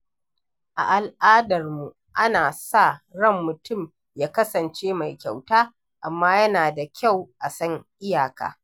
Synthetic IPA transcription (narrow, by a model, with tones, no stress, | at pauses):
ʔa̰˨ʔa˨lʔaː˦dɐ˨rmu˨ | ʔa˦naː˨sa˦˨ɽɐ˦˨mːʊ˨tʊ˦˨m | jaː˦kɐ˦sɐ˨nt͡ʃeː˦ma˨jkʲa˨wtaː˦ | ʔa˨mːaː˦jɐ˦naː˨da˨kʲa˦˨wʔa˨sɐ˦ŋʔɪ˦jaː˨ka̰ː˨